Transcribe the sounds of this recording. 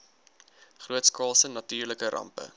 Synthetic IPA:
χruətskɑːlˠsənɐtyːrləkəɾʔɐ̰mpə̰

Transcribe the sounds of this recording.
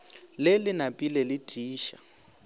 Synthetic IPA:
lɪlɪnapʼilɛlɪd̥ʱiːʃa̰

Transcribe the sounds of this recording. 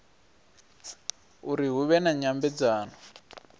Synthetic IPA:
uɾiɦuβɛnaɲambɛd͡zaːnɔ

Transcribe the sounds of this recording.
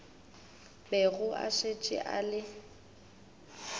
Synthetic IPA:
bɛɣʊʔa̰ʃet͡ʃʼɪ̰ʔa̰lɪ

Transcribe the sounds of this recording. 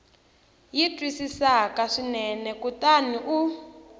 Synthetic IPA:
jitʼwisisakaʂinɛnɛkutaniʔu

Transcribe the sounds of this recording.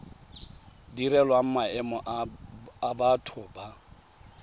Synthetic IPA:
diɾɛlwaŋ̩maɛmɔʔ | abatʰʊba

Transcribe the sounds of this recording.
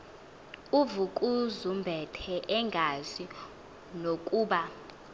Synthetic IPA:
uvukʼuzumbʱɛtʰɛʔɛŋɡʱazi | nokʼuːɓa

